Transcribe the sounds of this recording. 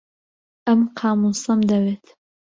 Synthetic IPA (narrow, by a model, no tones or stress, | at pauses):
ʔɐmqʰɑːmusɐmd̪ɐweːt̪ʰ